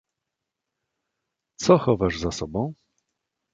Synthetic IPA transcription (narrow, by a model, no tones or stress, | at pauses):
t̪sɔxɔvaʐzasɔbɔ̃w̃